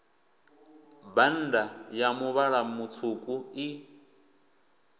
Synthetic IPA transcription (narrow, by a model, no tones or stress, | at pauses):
ban̩dajamuβaɺamut͡sʰukʼui